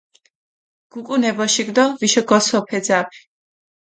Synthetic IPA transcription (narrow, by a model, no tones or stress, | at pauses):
ɡ̥ukʼunɛbɔʃiɡd̪ɔviʃɔɡɔsɔpʰɛd̪zapʰi̥